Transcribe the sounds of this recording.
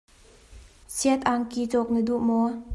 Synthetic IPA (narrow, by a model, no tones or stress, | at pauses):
siət̪̚ʔaŋkit͡sɔk̚nid̪uʔmɔ